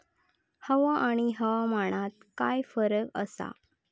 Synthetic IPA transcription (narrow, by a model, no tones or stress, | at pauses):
həʋaʔaɽ̃iɦəʋaməɽ̃at̪̚kajfəɾəkəsa̰